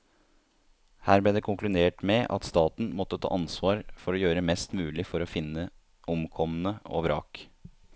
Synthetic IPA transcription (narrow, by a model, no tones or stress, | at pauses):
hæːɾb̪ɛːd̪ɛkʰʊŋklʉd̪eːʈmɛʔɑ̰t̪st̪ɑːt̪n̩mɔt̪ːət̪ʰɑ̰ːʔɑnsʋɑːɾfɔɾɔjøːɾəmɛst̪mʉːlɪfɔɾɔfɪnːə | ʔʊmkʰɔmn̩əo̰ːʋɾɑ̰ːk